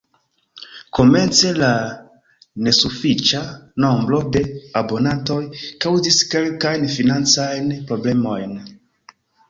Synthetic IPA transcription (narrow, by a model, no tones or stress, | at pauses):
ko̞me̞nt͡se̞la | ne̞sufit͡ʃano̞mbɾo̞de̞abo̞nanto̞jkawziske̞lkajnfinant͡sajnpɾo̞ble̞mo̞jn